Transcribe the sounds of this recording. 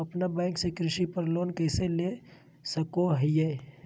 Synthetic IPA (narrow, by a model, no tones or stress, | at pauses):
ɐpnabɛ̃ːŋksekɾɪʃipəɾloːnkɛːsele | səkoɦəjeː